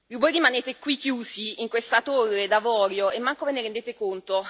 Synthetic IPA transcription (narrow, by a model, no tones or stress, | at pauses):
vojrimaneːt̪ekwikːjuːziiŋkwest̪at̪orːed̪avɔːɾjoʔemːaŋkoveneɾend̪eːt̪ekont̪o